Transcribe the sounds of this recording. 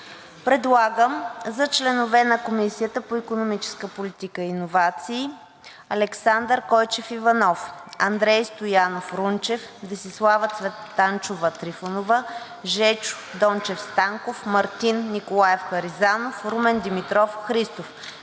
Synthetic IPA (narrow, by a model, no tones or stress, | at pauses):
pɾɛd̪lˠaɡəmzɐt͡ʃlɛnovɛnɐkomisiət̪əpoikonomit͡ʃɛ̥skəpolit̪ikəiinovat̪siː | ɐlɛksand̪əɾkɔjt͡ʃɛfivɐnɔfɐnd̪ɾɛjst̪ojanofɾunt͡ʃɛfd̪ɐsislˠavət̪svɛt̪ːant͡ʃovət̪ɾifonovə | ʒɛt͡ʃʊ̥ | d̪ɔnt͡ʃɛfst̪aŋkofmɐɾt̪inːikolˠajɛfxɐɾizanofɾumɛnd̪imit̪ɾɔfxɾist̪of